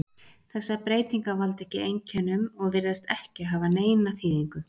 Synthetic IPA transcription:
θɛsːapɾeːjt̪iŋkavalt̪ɛhcɪejɲcʰɛnːʏmɔɣvɪɾðast̪ɛhcɪɦavaneːjnaθiːðiŋkʏ

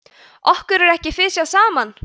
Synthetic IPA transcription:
ɔhkʏɾɛɾɛhcɪfɪsjawsaːman

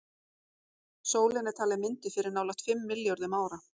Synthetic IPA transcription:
soːwlɪnɛɾt̪ʰaːlɪmɪnt̪ɪfɪɾɪɾnaːwlaht̪fɪmːɪljoɾðɪmaːwɾa

